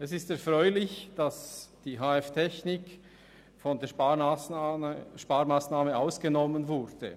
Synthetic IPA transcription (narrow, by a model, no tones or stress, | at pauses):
ɛsɪstɛɐfʁɔʏlɪçd̥asd̥iːɦaːɛftʰɛçnɪk | fɔndeːɐ | ʃpaːɾmaːsnaːməʔaʊsɡ̥enɔmːənvʊɾd̥ə̰